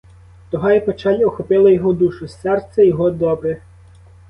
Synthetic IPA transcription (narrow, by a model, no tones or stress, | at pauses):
t̪ɔɦɑjɛpɔt͡ʃɑlʲɔxɔpɪlˠɐjɔɦɔd̪uʃʊsɛrt̪sɛjɔɦɔd̪ɔbɾɪ